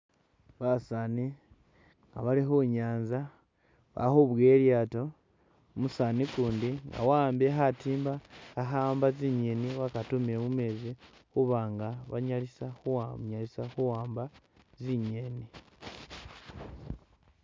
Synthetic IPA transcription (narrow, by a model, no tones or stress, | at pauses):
βasani | ŋɡa̰βalixuɲaːnza | βa̰xuβwe̞ljaːto̞ | musanikuːndiŋɡa̰waːmbeɦatiːmbaːɦaːmbaziɲe̞niwakatumiɾemumeːzi | xuβaːŋɡaβa̰ɲalisaxuwaɲalisaxuwaːmba | ziɲeni